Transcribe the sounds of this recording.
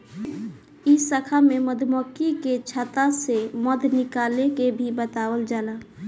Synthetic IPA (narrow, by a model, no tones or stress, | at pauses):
isəkʰameməd̪ʱməkiket͡ʃʰat̪aseməd̪ʱnikalekebʱibət̪abəld͡ʒala